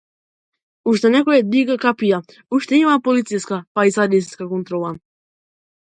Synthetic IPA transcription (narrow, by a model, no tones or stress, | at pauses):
uʃt̪ɛnɛkojɛd̪iɡakapija | uʃt̪ɛimapolit̪sijskapaisad̪isskakont̪ɾolˠa